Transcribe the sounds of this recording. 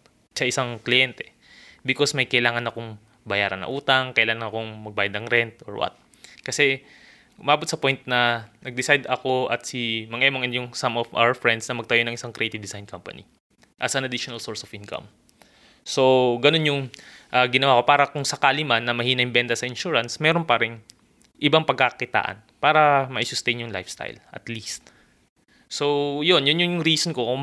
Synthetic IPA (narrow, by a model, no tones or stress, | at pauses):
sɐʔɪsaŋklɪjɛnt̪ɛ | bɪko̞smɐjkɐʔɪlaːŋɐnɐkoŋ | bɐjaːɾɐ̰nːɐ̰ʔuːt̪ɐŋkɐʔɪlaːŋɐŋɐkoŋmɐɡ̚baːjɐd̪nɐŋɾɛnt̪̚ʔo̰ɹwɐ̰t̪̚ | kɐsɛ | ʊmaːbot̪sɐpo̞jnt̪̚nɐnɐɡ̚d̪ɪsajd̪ɐko̞ʔɐt̪̚simɐŋʔɛmoŋʔɛnd̪jʊŋsɐmofʔa̰wɛɹfɹɛnd̪snɐmɐɡ̚t̪ɐjonɐŋʔɪsaŋkɾejt̪ɪvd̪ɪsajnkampɐ̰nḭ | ʔɐsɐnɐd̪iʃonɐlsoɹsofʔinkɐ̰m | so̞ɡɐno̞njʊŋʔɐːɡɪnɐwaːko̞paːɾɐkʊŋsɐkaːlɪmanːɐmɐhiːnɐjmbɛnt̪ɐsɐɪnʃuɹɐnsmɛːɾonpɐɾɛŋ | ʔɪbaŋpɐɡ̚kːakɪt̪a̰ːʔɐ̰npaːɾɐmɐʔisʊst̪ejnjʊŋla̰jfst̪a̰jlʔɐ̰t̪list̪̚ | so̞jonjʊnjʊnjʊŋɾiːsonkokʊ